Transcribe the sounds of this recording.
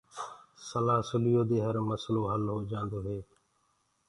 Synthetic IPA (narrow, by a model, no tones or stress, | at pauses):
səlaːsʊlɪjoːd̪eːɦəɾməsloːɦəlɦoːd͡ʒãːnd̪oːɦeː